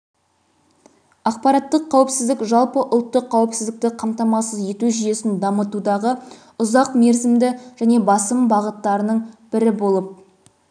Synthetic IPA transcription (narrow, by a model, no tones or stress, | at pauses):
ɑq̚pɑɾɑt̪ːəqʰːɑwɪpsɪzd̪ɪkʒɑlˠpəʔʊlˠt̪ːəqʰːɑwɪpsɪzd̪ɪk̚t̪ɪqʰɑmt̪ɑmɑsəze̞t̪uʒije̞sɪnd̪ɑmət̪ud̪ɑʁə | ʊzɑqme̞ɾzɪmd̪ɪʒ̥æne̞bɑsəmbɑʁət̪ːɑɾənəɴb̥ɪɾɪbo̞lˠəp̚